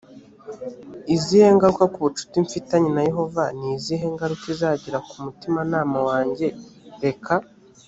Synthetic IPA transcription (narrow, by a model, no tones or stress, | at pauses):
iziːhe̞ŋɡaɾukakuβut͡ʃu̥tiɱfitaɲinaje̞ɦo̞vaniːziːɦe̞ŋɡaɾukizaːɟiɾakumutimanaːmawaːɲɟe̞ɾe̞kʰa